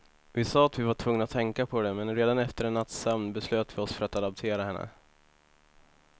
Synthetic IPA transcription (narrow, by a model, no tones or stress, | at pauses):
vɪsɑːat̪vɪvaʈʰvɵŋːnat̪ʰɛŋkapʰɔd̪ɛmɛnɾeːd̪anɛft̪əɾɛnːat̪ːsɛmnbɛsløːt̪vɪɔsfœɾat̪ad̪ap̚t̪ʰeːɾahɛnːə̰